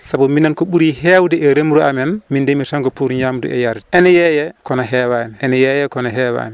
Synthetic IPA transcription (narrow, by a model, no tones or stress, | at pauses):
sabuminːankɔɓuɾihɛwdɛʔɛɾemɾuamɛnmindemitaŋɡɔpuɾɲamdṵɛ̰jaɾdɛʔɛnɛjɛjɛkɔnaɦɛwaniɛnɛjɛjɛkɔnaɦɛwa̰ni